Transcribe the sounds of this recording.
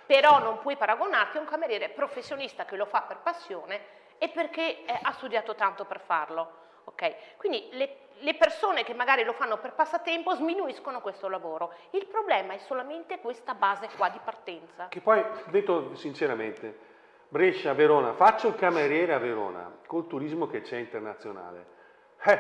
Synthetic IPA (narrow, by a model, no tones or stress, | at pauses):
peɾɔnːompwɔjpaɾaɡonart̪iuŋkameɾjɛːɾepɾofesːjonist̪akelofapːerpasːjoːneː | pːerkeɛʔast̪ud̪jaːt̪ot̪ant̪operfarlo | okɛjkwind̪ile | lepersoːnekemːaɡaːɾilofanːoperpasːat̪ːɛmpozminuiskonokwest̪olavoːɾoilpɾoblɛːmaɛsːolament̪ekwest̪abaːzekwad̪ːipart̪ɛnt̪sakepːɔjd̪et̪osint͡ʃeɾament̪e | bɾeʃaveɾɔːnafat͡ʃːoilkameɾjɛːɾeaveɾɔ̰ːna̰kolt̪uɾizmoket͡ʃːɛint̪ernat̪sːjona̰ːlḛ | ɛ